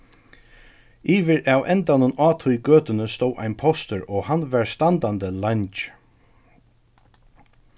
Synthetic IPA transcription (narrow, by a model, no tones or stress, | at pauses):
iːʋɪɾʔawʔɛnt̪anʊnaːt̪ʰʊjɡøːt̪ɪnəst̪oːwʔa̰jnpʰɔst̪ʏɹɔːhanːʋaɹst̪ant̪and̪əlaɲt͡ʃ